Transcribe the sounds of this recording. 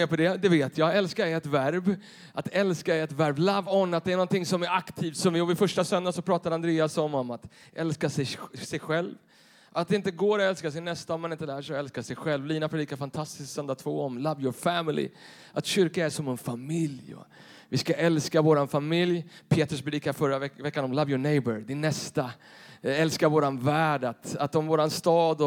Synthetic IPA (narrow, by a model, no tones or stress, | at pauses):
eːpɔd̪ɛd̪ɛveːt̪ʰjɑɛlskaɛɛt̪væɾb | ʔat̪ʰɛlskaɛt̪væɾblavɔnːat̪̚d̪ɛæɾɳɔnt̪ɪŋsɔmæɾakt̪ʰiːft̪sɔmvɪɔvɪfœʂʈasœnd̪asɔpʰɾɑːt̪ad̪əand̪ɾeːasɔmɔmat̪ | ʔɛlskasɛjsɛjɧɛlv | at̪̚ɛɪnt̪əɡoːɾɔɛlskasɛjnɛst̪aɔmanɪnt̪əlæːʂɛjɔɛlskasɛjɧɛlvliːnapʰɾɛdiːkafant̪ʰast̪ɪ̥sk̪sœnd̪at̪ʰvoːɔmlavjɔfæmɪlɪ̰ | ʔat̪ɕʏɾkaæʂɔmɛnfamɪljɔ̰ | vɪskaʔɛlskavoːɾanfamɪljpʰeːt̪ɾɵspʰɾɛd̪iːkaɾfœɾaɛvɛkːanɔmlavjʊɳɛjbəɾd̪ɪnːɛst̪a | ɛlskaɾvoːɾanvæːɖat̪at̪ɔmvoːɾanst̪ɑːd̪ɔ